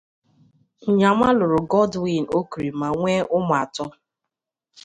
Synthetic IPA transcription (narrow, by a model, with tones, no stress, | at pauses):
ŋ̩˨ɲa˨ma˦lʊ˨ɾʊ˨ɡɔ˦dwi˦˨no˦ku˨ɾi˨ma˨ŋʷe˦ʊ˦mʊ˨a˨tɔ˦